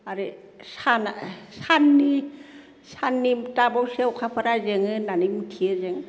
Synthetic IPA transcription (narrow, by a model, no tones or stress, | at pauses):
aɾi | sanasanːi | sanːimtabawsewkʰapʰaɾazeŋɯnanimitʰizeŋ